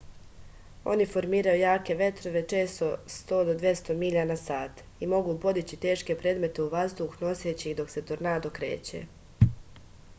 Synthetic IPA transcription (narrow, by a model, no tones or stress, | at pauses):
o̞̰nifo̞ɾmiːɾajujaːke̞ʋe̞t̪ɾo̞ʋe̞t͡ʃe̞ːst̪ost̪o̞ːd̪o̞d̪ʋje̞st̪o̞miʎanasaːt̪ | imo̞ɡuːpo̞d̪it͡ɕit̪e̞ːʃke̞pɾeːd̪me̞t̪e̞uʋazd̪uxno̞seːt͡ɕid̪o̞kse̞t̪oɾnaːd̪o̞kɾeːt͡ɕḛ